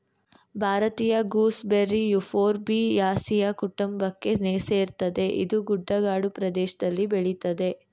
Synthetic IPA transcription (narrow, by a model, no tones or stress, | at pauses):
bʱaːɾɐt̪iːjɐɡuːsbeɾːijufʰoːɾbijaːsijɐkuʈumbɐkːe̞sneːseːɾt̪ɐd̪e̞ʔḭd̪uɡuɖːɐɡaːɽupɾɐd̪ɛːʃɐd̪ɐlːibeɭit̪ɐd̪e̞